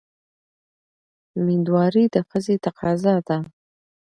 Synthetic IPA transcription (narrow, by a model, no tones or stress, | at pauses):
mid̪wɑɾid̪əxəzet̪aqɑzɑd̪a